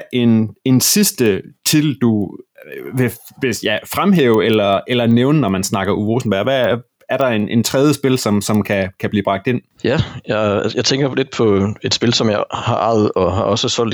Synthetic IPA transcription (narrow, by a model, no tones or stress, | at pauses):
ʔe̝ne̝nsisd̥ət͡sʰild̥u | ʋe | ʋe̝sjæɪfʁamɦḛːʊelɐelɐneʊnənɒmænsnɑ̈ɡ̥ɐʔuʋo̝sn̩b̥æɐ̰ʋæ | æɐɾ̥ɑ̈e̝nʔent͡sʰʁɛðˠjəsb̥e̝lsɒ̽msɒ̽mkʰækʰæb̥liːb̥ʁɑ̈ɡ̥d̥e̝n̰jæjɑɪjɑ̈ɪt͡sʰeŋɡ̥ɐled̥̚pʰɒ̽e̝d̥sb̥e̝lsɒ̽mjɑ̈ɪhɑ̈ʔɑ̈ɪð̩ˠɒhɑ̈ɒ̽səsɒl̰d